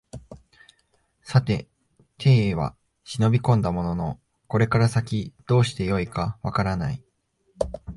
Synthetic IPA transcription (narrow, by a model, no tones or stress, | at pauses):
sat̪e̞ | t̪ʰe̞ːβ̞a̰ | ɕino̞bʲikõnd̪amo̞no̞no̞ | ko̞ɾe̞kaɾasakʲid̪̥o̞ːɕi̥t̪e̞jo̞ikaβakaɾana̰i